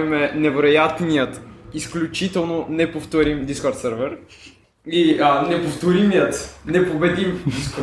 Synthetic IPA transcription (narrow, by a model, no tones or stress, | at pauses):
imɛnɛvɛɾojat̪nijət̪isklʲut͡ʃit̪ɛlˠnonɛpoft̪oɾimd̪iskɔɾt̪sɛɾvɛɾ | iənɛpoft̪oɾimijət̪nɛpobɛd̪im